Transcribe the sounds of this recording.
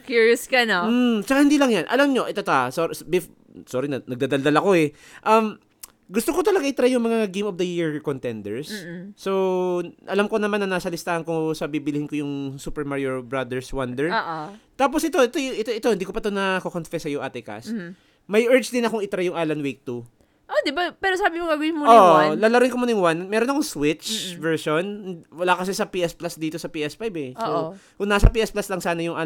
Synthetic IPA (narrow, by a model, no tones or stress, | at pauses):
kjuɹjʊskɐnom̩t͡ʃɐkahɪnd̪iːlɐŋjanʔɐ̰lamɲo̞ʔɛt̪ot̪oasobɪf | soɾinɐnɐɡ̚d̪aːd̪ald̪alɐko̞ɛ | ʔɐm | ɡʊst̪okot̪ɐlɐɡaʔɪt̪ɾajʊŋmɐŋɐaɡimofd̪ɐjiɹkont̪ɛnd̪ɛɹsːowʔɐlamko̞nɐmanːɐnaːsɐlɪst̪aːhɐnkʊŋsɐbibɪlɪhɪnkojʊŋsuːpɛɹmaɹioɹbɹɐd̪ɛɹswɐnd̪ɛɹʔt̪aːp̬osʔɪt̪o̞ɪt̪ojʔɪt̪oʔɪt̪oɪnd̪iːkopɐt̪onɐkokonfɛsɐjʊŋʔat̪ɪka̰s | mɐjʔɛɹt͡ʃd̪ɪnɐkoŋɪt̪ɾajʊŋʔaːlɐnwik̚t̪u | ʔod̪ɪbapɛːɾosaːbɪmoŋɡɐɡɪnmooalalɐɾɪŋkomonɪŋwanmɛːɾonɐkoŋswɪt͡ʃvɛɹʃonwɐlaːkɐsɛsɐpiːʔɛsplasd̪iːt̪o̞sɐpiːʔɛsfajbɛsokʊŋnaːsɐpiːʔɛsplaslɐŋsaːnɐjʊŋʔa